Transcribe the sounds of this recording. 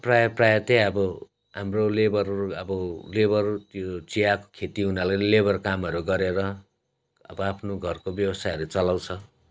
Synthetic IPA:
prajʌprajʌt̪eʌbʌ | ɦamrolebʌrʌbʌlebʌrt̪jot͡sijako̥kʰet̪iunalalebʌrkamʌɾuɡʌɾeɾʌ | ʌ̰bʌapʰnoɡʱʌrkobjʌwʌsajɦʌɾut͡sʌlawt͡sʰʌ

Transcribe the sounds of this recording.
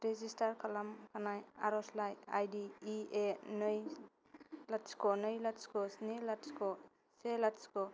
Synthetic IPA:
ɾezistaɾkʰalamkʰanaja̰ɾɔslaja̰jdiːenɯj | latskɔnɯjlatskɔsnilatskɔ | selatskɔ

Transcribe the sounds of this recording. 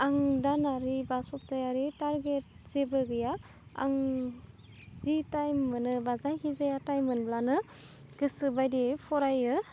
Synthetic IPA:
aŋdanaɾibasɔp̚tajaɾitaɾɡet̚z̥ebɯɡɯja | a̰ŋ | z̥itajmːɯnɯbazajkʰizajatajmɯnblanɯ | ɡ̥ɯsɯbajdepʰɔɾajɯ

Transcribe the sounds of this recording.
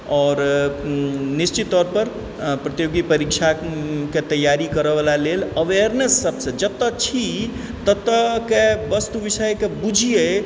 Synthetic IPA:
ɔːɾ | nist͡ʃit̪ːɔɾpəɾ | pɾət̪joɡipəɾik̚t͡ʃʰaket̪əjːaɾikəɾəʋəlaleləʋeɾnəsːəbsə̃d͡ʒəb̚t̪ːət͡ʃʰi | t̪ət̪ːəkebəst̪uʋisəjkebud͡ʒʱije

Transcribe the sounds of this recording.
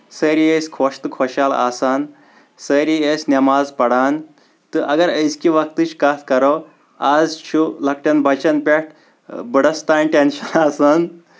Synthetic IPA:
səɾijeskʰoʂt̪ɨkʰɔɕala̰san | səɾiesnɐmazpɐɽan | t̪ɨʔɐɡɐɾəzkiʋɐkt̪ɨt͡ɕkat̪ʰkɐɾo | ad͡zt͡ʃʰulɐk̚ʈɐnbʱɐt͡ʃɐnpʲeʈ̚ʰ | bəɽəst̪anʈenɕɐnasan

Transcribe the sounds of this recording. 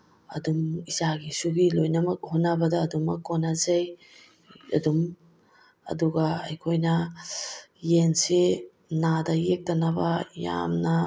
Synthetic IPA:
ɐ̰dumisaɡisuɡilojnɐmɐk̚hotnːɐbɐdɐːdumɐkːonazaj | ɐ̰dum | ɐ̰duɡɐɐjkʰojnɐ | jensi | nadɐjek̚tɐnɐbɐja̰mnɐ

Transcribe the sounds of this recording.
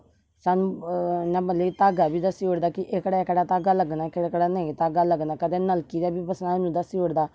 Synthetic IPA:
saːnũːnãːbəleːt̪aːɡaːbiːd̪əsiːɦoːɽd̪aːkɪʔɪkɽaːɪkɽaːt̪aːɡaːləɡnaːɪkaːkɽaːnə̃t̪aːɡaːləɡnaːkəd̪ẽːnəlkiːd̪aːbiːpəsnaːnũːd̪əsiːoɽd̪aː

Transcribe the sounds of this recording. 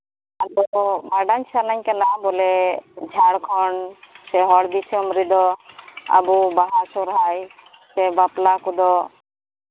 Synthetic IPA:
ad̪ɔbaɖaɲsanaɲkanabɔlɛd͡ʒʱaɽkʰɔɳsɛɦɔɽb̪isʰɔmɾid̪ɔa̰bubaɦasɔɾɦaj | sɛbaplakud̪ɔ

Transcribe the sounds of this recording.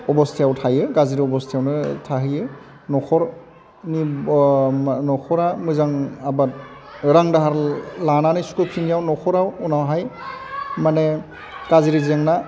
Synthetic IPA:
ɔbɔstʰjawtʰajɛkaziɾiɔbɔstʰijawnɯtʰaɦijɛ | nɔxʰɔɾ | ni | nɔkʰɔɾamɔjzaŋabat̚ | ɾaŋdaɦaɾlananajskupʰinijawnɔxʰɔɾawunawɦaj | manɛ | kaziɾizɛŋna

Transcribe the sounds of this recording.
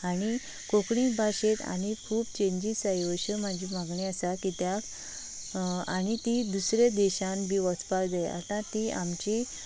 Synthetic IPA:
aɽ̃i | kokɽĩbʱaɕet̪a̰ɽ̃ikʰuːbt͡ɕẽɲd͡ʑisajoɕəm̤ad͡ʑʱimaɡɳẽəsakit̪jak | aɽ̃it̪id̪usɾed̪ɛɕãnbʱiʋɔt͡spaɾd͡z̪aja̰t̪ãt̪iamt͡ɕi

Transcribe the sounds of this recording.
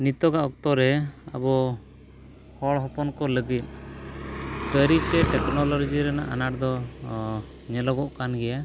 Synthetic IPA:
nit̪ɔɡaʔɔk̚t̪ɔɾɛa̰bɔ | hɔɭɦɔpɔnkɔləɡit̪̚ˀ | kəɾit͡ʃɛʈɛknɔlɔɾd͡ʒiɾɛna̰ʔanaɾd̪ɔ | ɲɛlɔɡɔʔkanɡɛja

